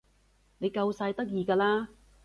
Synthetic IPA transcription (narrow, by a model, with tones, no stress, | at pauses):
ne˨˧jkɐ˧wsaː˧jt̪ɐ˥k̚jiː˧kaː˧laː˥